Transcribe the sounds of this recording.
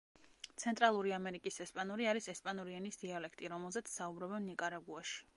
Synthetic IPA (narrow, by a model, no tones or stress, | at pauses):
t̪sʰɛnt̪ʼɾalˠuɾiamɛɾikʼisɛspʼanuɾiaɾisɛspʼanɔɾianisd̪ialɛkʰt̪ʼiɾɔmɛlˠzɛt̪sʰsaubɾɔbɛnnikʼaɾaɡuaʃi̥